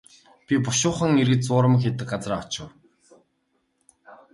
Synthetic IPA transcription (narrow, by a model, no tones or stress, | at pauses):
pʲipʊʃʊːχə̆ŋeɾɣɘ̆t͡sʊːɾə̆mxet̪ɘ̆k̚ɢat͡sraːɔt͡ɕɪ̆w